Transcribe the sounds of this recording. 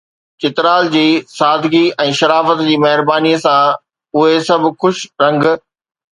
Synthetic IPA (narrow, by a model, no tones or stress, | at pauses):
t͡ɕɪt̪ɾaːld͡ʑiːsaːd̪ʱɡiɛ̃ːʃɐɾaːfət̪d͡ʑiːmɐɦɪɾbaːniːəsã | ʊɦesɐb̆ʱxʊʃɾɐ̃ŋɡ